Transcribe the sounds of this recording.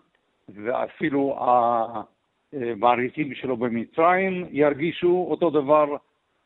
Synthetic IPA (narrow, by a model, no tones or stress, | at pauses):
vea̰filua | maːɾitimʃelobemit͡sʁaimjaɾɡiʃuot̪o̞d̪avaʁ